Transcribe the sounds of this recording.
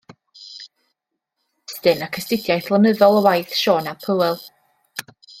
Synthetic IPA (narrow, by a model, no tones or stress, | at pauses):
stɨnakʰəstɪdjajθlˠənəðɔlˠəwajθʃɔːnapʰəwɛlˠ